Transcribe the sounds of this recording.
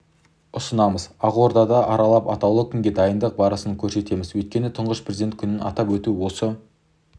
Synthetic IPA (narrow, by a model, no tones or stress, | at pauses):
ʊsənɑməzɑʁo̞ɾd̪ɑd̪ɑʔɑɾɑlˠɑpɑt̪ɑwlˠəkʲʰʏŋɡʲe̞d̪ɑjənd̪əq̚bɑɾəsənkʲʰɵɾse̞t̪e̞mɪzwɵjt̪̚kʲe̞nɪt̪ʰʊɴʁəʃpʰrezid̪ent̪̚kʰʲʏnɪnɑ̰t̪ɑpwɵt̪uwo̞sə